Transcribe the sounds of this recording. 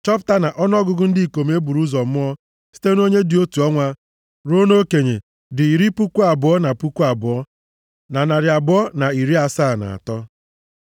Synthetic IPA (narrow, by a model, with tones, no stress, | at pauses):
t͡ʃɔ˦pta˦na˨ʔɔ˦n˦ɔ˦ɡʊ˨ɡʊ˦n̩˦dɪ˦i˨ko˨m˦e˦bu˨ɾu˦zɔ˨m˦ɔ˦ | si̥˦te˦no˦ɲe˦dɪ˨o˦tu˨ɔ˦ŋʷa˦ | ɾo˦no˦ke˨ɲe˨ | dɪ˨i˨ɾi˦pu˦ku˦a˨bʊ˨ɔ˦na˨pu˦kʷu˦a˨bʊ˨ɔ˦ | na˨na˨ɾɪ˨a˨bʊ˨˦ɔ˦na˨i˨ɾi˦a˨sa˦˨na̰˨a̰˨tɔ˦